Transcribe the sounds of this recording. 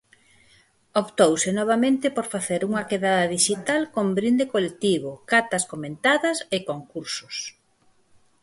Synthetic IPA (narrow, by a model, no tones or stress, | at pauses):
opt̪owsɪnɔβ̞amẽnt̪ɪpoɾfaθeɾuŋɐkeðaðɐðiʃit̪alkombɾind̪ekolek̚t̪iβ̞okat̪ɐskomẽnt̪aðɐsekoŋkuɾsʊ̥s